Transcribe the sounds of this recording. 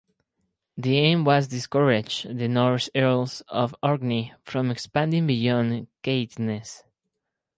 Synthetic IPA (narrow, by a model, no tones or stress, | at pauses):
ðiẽɪ̃mwʌzdɨskəɹɪd͡ʒðɨnɔɹsɛɹlsɔvɔɹɡnifɹɔ̃mɛkspæ̃ndĩŋbijɔ̃nkeɪtnɨs